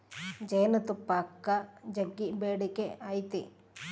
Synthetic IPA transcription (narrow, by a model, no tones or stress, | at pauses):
d͡ʒɐjnɐt̪upːaːkːɐd͡ʒɐɡːibeːɽikeaːjt̪ḭ